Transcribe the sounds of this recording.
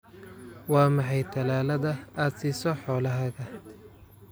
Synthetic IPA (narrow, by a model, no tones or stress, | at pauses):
wɑːmɑħɑjt̪ʰɐlaːlɐðɐaːd̪siːsɔħɔːlɐɦɐɣɐ